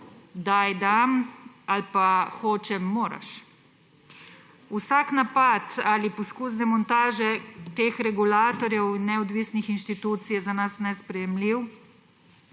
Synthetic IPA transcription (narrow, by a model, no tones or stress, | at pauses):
d̪ajd̪am | alpaxoːt͡ʃɛːoːɾa̰ʃ | usaknapat̪alipɔskuz̬d̪ɛmɔnt̪aːʒɛt̪eːxɾɛɡulaːt̪ɔɾjɛwnːɛɔd̪ʋisnixinʃt̪it̪uːt̪sijɛzanasnɛspɾɛjɛmliw